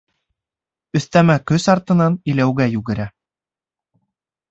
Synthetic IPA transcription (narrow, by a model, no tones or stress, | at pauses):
ɵ̆θt̪æmækɵsɑɾt̪ɤ̆nɑnilæwɡæjʉɡɘ̆ɾæ